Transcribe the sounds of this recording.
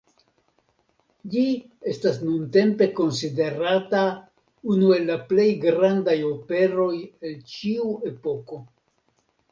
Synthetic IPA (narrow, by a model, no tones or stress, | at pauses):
d͡ʒi | e̞stasnunte̞mpe̞ko̞nside̞ɾata | unue̞lːaple̞jɡɾandajo̞pe̞ɾo̞je̞lt͡ʃiue̞po̞ko̞